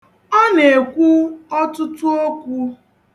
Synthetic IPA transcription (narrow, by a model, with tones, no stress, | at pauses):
ɔ˦ne˨kʷu˦ɔ˦tʊ˦tʊ˦o˦kʷu˦